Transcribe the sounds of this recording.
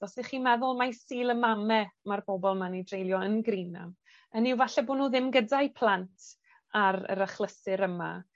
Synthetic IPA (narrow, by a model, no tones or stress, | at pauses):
dɔsiχiːmɛðʊlˠmasiːlˠəmamɛmarbɔbɔlˠmanidrejlˠjɔənɡrina̰m | ənɪwvaɬɛboːnuːðɪmɡədajpʰlˠantʰ | aɾə̰ɾəχlˠəsɨɾəma̰